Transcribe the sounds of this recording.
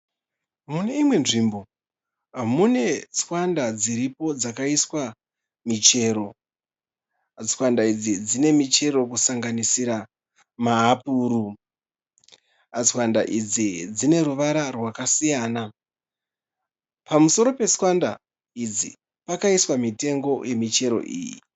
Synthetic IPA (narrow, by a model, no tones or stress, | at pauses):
mune̞imwe̞nʐimbo̞ | ɦamune̞swandad͡ziɾipo̞d͡zakaiswa | mit͡ʃe̞ːɾo̞ | swandaid͡zid͡zine̞mit͡ʃe̞ɾo̞kusaŋɡanisiɾa | maɦːpuːɾu | t͡swanda̰ʔid͡zid͡zine̞ɾuʋaɾarwakasijaːna | pamuso̞ɾo̞pe̞swanda̰ | id͡zḭ | pakaiswamite̞ŋɡo̞je̞mit͡ʃe̞ɾo̞̰ʔḭːjḭ